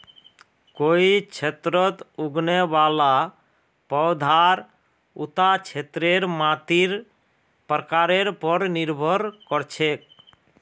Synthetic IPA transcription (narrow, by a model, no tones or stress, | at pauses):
koit͡ʃʰet̪ɾɔt̪uɡnebala | pɔwd̪ʱaɾ | ut̪at͡ʃʰet̪ɾeɾmãt̪iɾ | pɾəkaɾeɾpɔɾniɾbʱɔɾkɔɾt͡ʃʰek̚